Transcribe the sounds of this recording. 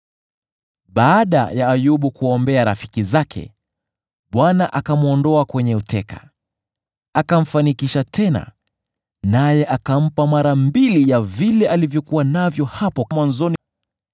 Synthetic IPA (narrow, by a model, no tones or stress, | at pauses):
ɓaːɗa̰jaːjuɓukuɔmbɛaɾafi̥kizakʰɛ̰ | ɓwanaʔakamuɔndɔakwɛɲɛutɛkḁ | akam̩fanikiʃatʰɛna̰ | najɛʔakam̩pamaɾambilijavilɛʔalivjɔkuwanavjɔhapɔmwanzɔni